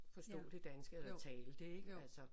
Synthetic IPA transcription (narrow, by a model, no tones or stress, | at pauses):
fɒ̽sd̥o̰ːd̥ed̥ænsɡ̥əelt͡sʰɛːləd̥e̝ɡ̥ælsɒ